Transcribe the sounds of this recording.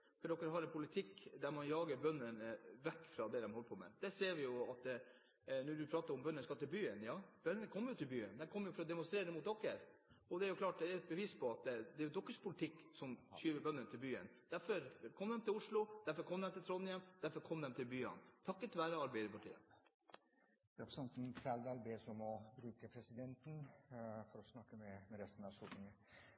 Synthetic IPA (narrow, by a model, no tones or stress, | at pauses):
fɔɖ̪ɔkːəɾɦɑɾɛnpʰʊlɪt̪ʰɪkːd̪æɾmɑnjɑːɡəɾbœnːənəʋɛkːfɾɑd̪ɛd̪ɛmhɔlːəpʰɔmɛ̰d̪̥ɛseːɾʋɪjʊɑt̪ | nɔɖʉpʰɾɑːt̪əɾɔmbœnːənskɑt̪ːɪlbyːənjɑːb̥œnːənəkʰɔmːjʊt̪ʰɪlbyːənd̪ɛkʰɔmːəjʊfɔɾɔd̪ɛmʊnst̪ɾeːɾəd̪ɛmʊt̪̚d̪ɔkːəɾɔd̪ɛæɾjʊklɑːʈ̚d̪ɛæɾɛt̪̚bəʋiːspʰɔɑt̪̚d̪ɛɾjʊd̪ɔkːəʂpʰʊlɪt̪ʰɪkːsɔmçyːʋəbœnːənət̪ʰɪlbyːə̰nd̪̥æɾfɔɾkʰɔmd̪ɛmt̪ʰɪlʊʂɭʊd̪æɾfɔɾkʰɔmːd̪ɛmt̪ɪlt̪ʰɾɔnɪəmd̪æɾfɔɾkʰɔmd̪ɛmt̪ʰɪlbyːə̰nt̪ʰɑkːət̪ʰɪlʋæːɾəɑɾbæɪd̪əpʰɑʈʰḭːə̰ | ɾɛpʰɾɛsɛnt̪n̩fæld̪ælbesɔmɔbɾʉːkəpʰɾɛsɪd̪ɛnt̪n̩fɔɾɔsnɑkːəmɛmɛɾɛst̪n̩ɑʋsɔt̪ɪŋə